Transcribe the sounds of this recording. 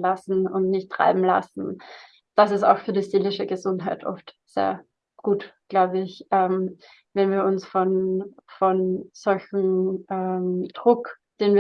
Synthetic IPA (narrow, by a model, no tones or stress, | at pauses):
lasn̩ʊ̰ntnɪçtːʁ̥a̰ɪbm̩la̰sn̩ | d̥asɪsta̰ʊxfyːɐɾiːziːlɪʃəɡəzʊntɦaɪtʰʔɔ̰ftz̥ḛːɐ | ɡ̥uːtɡ̥laʊbəɪçʔɛm | vɛnviːɐʊnsfɔnfɔnz̥ɔlçm̩ʔɛd̥ʁʊkd̥eːnviː